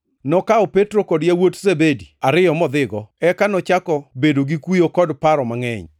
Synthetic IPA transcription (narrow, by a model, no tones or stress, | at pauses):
nɔkaɔpetɾokɔdjawotzebediaɾɪjɔmɔd̪ɪɡɔɛkanɔt͡ʃakɔbedoɡikujokɔdpaɾɔmaŋɛɲ